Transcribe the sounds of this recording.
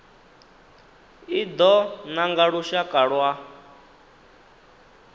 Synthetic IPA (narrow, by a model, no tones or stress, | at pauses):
id̪ɔnaŋɡaɺuʃakʼaɺwa